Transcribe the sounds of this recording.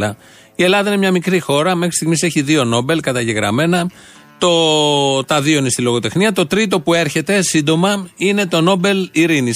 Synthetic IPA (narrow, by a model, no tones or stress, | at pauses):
ɐ | ie̞lɐðɐineɲɐmikɾixo̞ɾɐme̞xɾist̪iɣmise̞çiðio̞no̞be̞lkɐt̪ɐʝe̞ɣɾɐ̰me̞nɐ | t̪o̞t̪ɐðio̞inest̪ilo̞ɣo̞t̪e̞xniɐt̪o̞t̪ɾit̪o̞pue̞ɾçe̞t̪e̞sind̪o̞mɐine̞t̪o̞no̞be̞liɾini